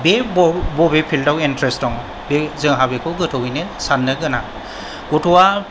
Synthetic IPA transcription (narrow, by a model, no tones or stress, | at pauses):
bebbɔbepʰildawintɾestɔŋ | bezɯŋɦabekʰɯɡɯtʰɔwinesanːɯɡɯna | ɡ̥ɔtʰɔwa